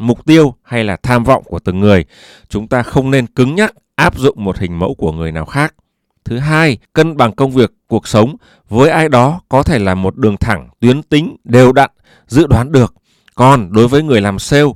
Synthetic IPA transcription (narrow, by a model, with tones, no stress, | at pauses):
mʊ˨˩k͡p̚t̪i˧əwha˧jlaː˨˩t̪ʰaː˧mvɔ̰˧˨wŋ͡mku˧˩ət̪ɨ˨˩ŋŋɨ˨˩əj | t͡ɕʊ˨˦ŋ͡mt̪aː˧xə˧wŋ͡mne˧nkɨ˨˦ŋɲa˦˥k̚ʔaː˦˥p̚zʊ̰˧˨ŋ͡mmo˨˩t̚hï˨˩ŋ̟mə̰˧˥wku˧˩əŋɨ˨˩əjnaː˨˩wxaː˦˥k̚ | t̪ʰɨ˨˦ɦaː˧jkə˧nɓa˨˩ŋkə˧wŋ͡mvi˨˩əkːu˨˩ək̚sə˨˦wŋ͡m | vəː˨˦jʔaː˧jɗɔ˨˦kɔ˨˦t̪ʰe˧˩laː˨˩mo˨˩t̚ɗɨ˨˩əŋt̪ʰa˧˩ŋt̪wi˨˦ənt̪ï˨˦ŋ̟ɗe˨˩wɗa̰ː˧˨n | zɨ̰˧˨ɗwaː˨˦nɗɨ˨˩ək̚ː | ɔ˨˩nɗo˨˦jvəː˨˦jŋɨ˨˩əjlaː˨˩mse˧w